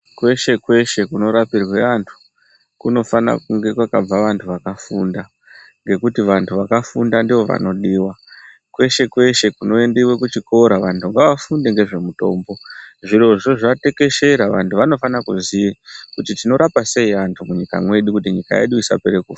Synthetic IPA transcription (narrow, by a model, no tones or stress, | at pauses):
kwe̞ʃe̞kwe̞ʃe̞kuno̞ɾapirwe̞antʰu̥ | kuno̞fana̰kuŋɡe̞kwakab͡vaʋantʰuʋakafunda | ŋɡe̞kutiʋantʰuʋakafundandiʋo̞ʋa̰no̞ɗiːwa | kwe̞ʃe̞kwe̞ʃe̞kuno̞endiwe̞kut͡ʃiko̞ɾaʋantʰuŋɡaʋafundeŋɡe̞ʐe̞muto̞̰ːmbo̞ʐiɾo̞ʐo̞ʐate̞ke̞ʃeɾaʋantʰuʋano̞fanakuziikutitino̞ɾʔapase̞iantʰumuɲika̰mwe̞ɗukutiɲika̰ḛɗuisa̰peɾekufa